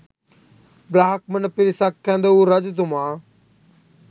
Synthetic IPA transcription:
bɾaːɦək̚mənpiɾisakkːɛ̃ːnd̪ouːɾɐd͡ʒt̪̬ʊmãː

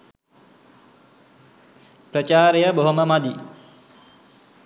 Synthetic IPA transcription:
pɾət͡ʃaːɾejəboɦoməmad̪i

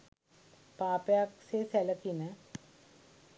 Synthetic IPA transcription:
pãːpjaksesɛləkinɛ̃

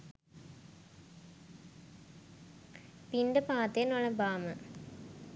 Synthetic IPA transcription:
pindepaːt̪ːenoɭebaːmɨ

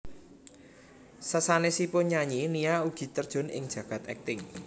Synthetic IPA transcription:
səsanesipʊnɲaɲinijauɡ̥i̤t̪ərd̥ʒ̥ɔ̤nɪ̰ŋd̥ʒ̥ä̤ɡ̥ä̤t̪ɛ̰k̚t̪ɪŋ

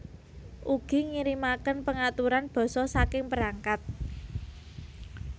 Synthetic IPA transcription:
ʔuɡ̥i̤ŋiɾimakənpəŋat̪uɾanb̥ɔ̤sɔsakɪŋpəɾaŋkat̪̚

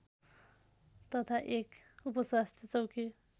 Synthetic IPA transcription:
t̪ʌt̪ʰaʔekupʌswast̪ʰjʌt͡sʌwkʰi

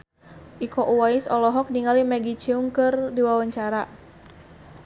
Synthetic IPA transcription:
ʔikɔʔuwaisɔlɔɦɔk̚niŋalimɛɡit͡ʃiuŋkɨrdiwawaɲt͡ʃaɾa

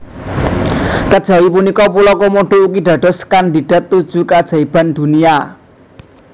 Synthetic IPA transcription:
kəd̥ʒ̥a̤wipunikɔpulɔkomoɖ̥oʔuk̬iɖ̥a̤ɖ̥ɔ̤skandi̤ɖ̥a̤t̪ːud̥d͡ʒ̥ukad̥ʒ̥aib̥a̤nd̪̥ṳnia

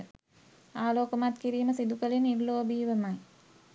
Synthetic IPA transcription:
aːloːkəmat̪kiɾiːməsid̪ukəlinːirloːbiːʋəmaj

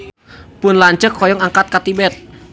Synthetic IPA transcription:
pʊnlaɲt͡ʃəkʰːɔjɔŋaŋkat̪̚kat̪ibɛt̪̚

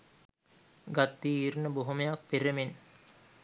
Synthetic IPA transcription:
ɡat̪ːiiɾnəboɦumɐjak̚peɾɐmen

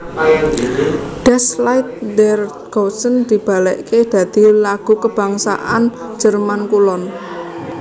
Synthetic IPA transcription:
ɖ̥ɛslajt̪̚dɛr | ɡ̥ɔsənd̪̥i̤b̥a̤lɛʔked̪̥ä̤d̪̥i̤laɡ̥ṳkəb̥a̤ŋsa̰ʔa̰n̥ | d͡ʒ̥ə̤rmankulɔn

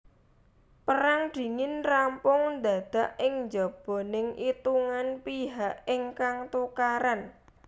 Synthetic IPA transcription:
pəɾaŋɖ̪̥i̤ŋɪnrampʊŋnd̪a̤d̪̥a̤ʔɪŋɲd͡ʒɔb̥o̤nɪŋʔit̪uŋanpiɦaʔɪŋkaŋt̪ukaɾan

